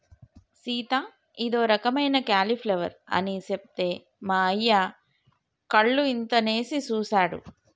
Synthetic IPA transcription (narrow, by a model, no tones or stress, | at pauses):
siːt̪aː | id̪o̞ːɾɐkɐmɐjnɐkaːlipʰleʋɐ̰ɾɐ̰nisep̚t̪eː | maːɐjːa | kɐɭːuint̪ɐne̞ːsit͡ʃuːsaːɽṵ